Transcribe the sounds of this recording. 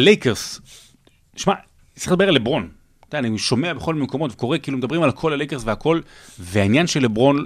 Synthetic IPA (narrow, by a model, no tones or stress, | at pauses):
alejkeʁs | ʃma | iled̪abe̞alebʁo̞n | d̪aaniʃo̞me̞abeχo̞lmemko̞mo̞t̪veko̞ʁekiːlumed̪abʁimalkʰo̞lalejkeʁsveako̞lveainjanʃelebʁo̞n